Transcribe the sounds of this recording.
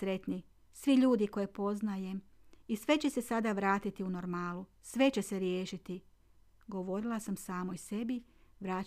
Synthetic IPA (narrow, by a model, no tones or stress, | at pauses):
ɾe̞t̪ni | sʋiʎuːd̪iko̞jepo̞znaje̞m | isʋe̞t͡ɕe̞se̞sad̪aʋɾaːt̪it̪iuno̞ɾmaːlusʋe̞t͡ɕe̞se̞ɾjeːʃit̪i | ɡo̞ʋo̞ɾilˠasamsaːmo̞jse̞biʋɾaː